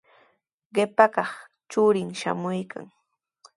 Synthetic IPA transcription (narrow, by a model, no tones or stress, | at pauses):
ɢɪpakɑχ | t͡ʃʊɾɪŋʃa̰mʊjkʰa̰ŋ